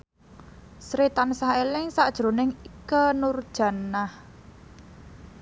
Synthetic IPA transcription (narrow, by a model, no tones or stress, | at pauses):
sɾet̪ansaelɪŋsaʔd̥ʒ̥ɾo̤nɪŋikənurd̥ʒ̥ä̤nah